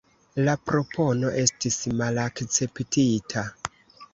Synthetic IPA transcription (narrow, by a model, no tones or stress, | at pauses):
lapɾo̞pʰo̞no̞ʔe̞stismalakt͡se̞ptitʰa